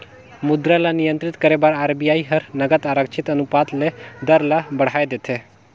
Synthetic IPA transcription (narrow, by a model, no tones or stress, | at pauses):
mʊd̪ɾalanɪjə̃nt̪ɾɪt̪kəɾebaːɾaːɾbijaːiɦəɾnəɡət̪aɾəkʃʰɪt̪ɐnupaːt̪led̪əɾlabəɽ̤aːed̪et̪ʰe